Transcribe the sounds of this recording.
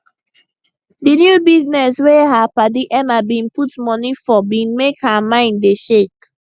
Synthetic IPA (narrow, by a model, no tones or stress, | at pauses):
dinjubiznɛsweɦapadiʔɛmabĩnputmɔnifɔbĩnmekhamãɪ̃ndeʃek